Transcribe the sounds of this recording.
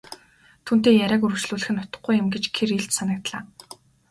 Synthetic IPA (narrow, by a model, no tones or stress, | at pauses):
t̪ʰuːnt̪eːjæɾʲæːkɵɾɵ̆wt͡ɕɮuːɮɘ̆xɘ̆nːʊt̪ə̥̆χ̚ɡujɪ̆mɡet͡ɕkʰereɬt͡ɕsanə̆k̚t̪ɮaː